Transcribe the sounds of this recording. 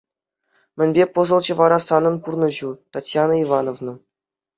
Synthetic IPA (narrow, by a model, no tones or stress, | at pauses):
mʲɘ̆nʲbʲepɤ̆zɤ̆lˠd͡ʑɤ̆ʋɑɾɑsɑnɤ̆npurnɤ̆ʑut̪ɑtʲjɑnɤivɑnovnɤ̆